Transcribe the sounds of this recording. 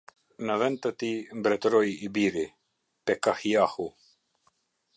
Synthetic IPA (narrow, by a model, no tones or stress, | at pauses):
nəvɛnt̪ət̪imbɾɛt̪ɾɔjibiɾi | pɛkahijahu